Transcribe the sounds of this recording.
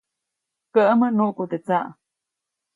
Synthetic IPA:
kəʔəmənuʔkut̪et͡saʔ

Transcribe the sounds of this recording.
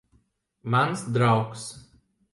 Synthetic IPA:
mɐnsd̪ɾɑʊks

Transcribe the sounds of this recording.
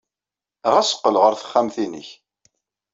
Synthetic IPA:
ʁæsə̥qːəlʁəɾθə̥χːæmθinə̰ç

